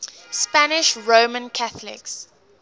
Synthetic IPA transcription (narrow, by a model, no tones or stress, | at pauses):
spanɪʃɹoːmə̃nkʰaθəlɪ̰ks